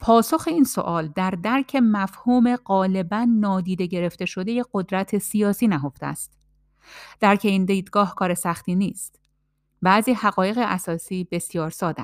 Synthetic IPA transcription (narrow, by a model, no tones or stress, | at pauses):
pʰɒːso̞xe̞iːnso̞̰ʔɒːld̪æɾd̪æɾcʰe̞mæfhuːme̞ɢɒːle̞bænːɒːd̪iːd̪e̞ɟe̞ɾe̞ft̪e̞ʃo̞d̪e̞je̞ɢo̞d̪ɾæt̪ʰe̞sijɒːsiːnæɦo̞ft̪eæ̰st̪ | d̪̥æɾcʰe̞iːnd̪iːd̪ɡɒːhkʰɒːɾe̞sæxt̪iːniːst̪ | bæːziːhæɣɒːje̞ɣeʔæsɒːsiːbe̞sjɒːɾsɒːd̪æ